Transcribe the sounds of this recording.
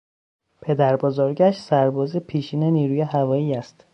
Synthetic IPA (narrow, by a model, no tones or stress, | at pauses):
pʰe̞d̪æɾbɒːzɒːɾɟæʃsæɾbɒːzepʰiːʃiːneniːɾuːjeɦævɒːjiːæst̪